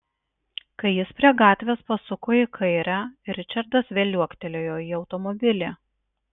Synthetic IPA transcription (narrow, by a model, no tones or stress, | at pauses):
kɐɪjɪspʲɾʲiɛɡɑːt̪ʲʋʲeːspɐsʊkoːjɪkʰɐɪɾʲæɾʲɪt͡ʃʲɐɾd̪ɐsʋʲeːlʲuɔkt̪ʲɛlʲoːjoːiːɒʊt̪ɔmɔbʲɪlʲeː